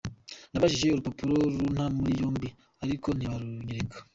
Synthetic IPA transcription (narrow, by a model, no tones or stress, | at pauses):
naβaʒiʒe̞uɾupopuɾo̞ɾun̥hamuɾijoːmbi | aɾiko̞niβaɾuɲiɾekʰḁ